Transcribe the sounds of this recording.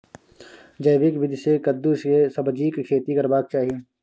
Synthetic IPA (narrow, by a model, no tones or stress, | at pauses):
d͡ʒɐjʋɪkʋɪd̪ʱsekɐd̪ːuskesɐbd͡ʒiːkkʰeːt̪ikɐɾbaːk̚t͡ʃaːɦieː